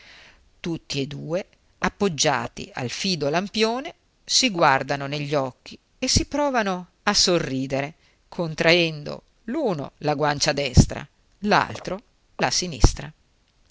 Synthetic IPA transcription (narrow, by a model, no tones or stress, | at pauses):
t̪ut̪ːied̪ːuːe | apːod͡ʒːa̰ːt̪ḭa̰lfiːd̪olampjoːne | siɡward̪anoneʎːɔkːi | esːipɾɔːvano | asːorːiːd̪eɾe | kʰont̪ɾʔaɛnd̪o̰ | luːno̰laɡwant͡ʃad̪ɛst̪ɾa̰ | la̰lt̪ɾo | lasinḭst̪ɾa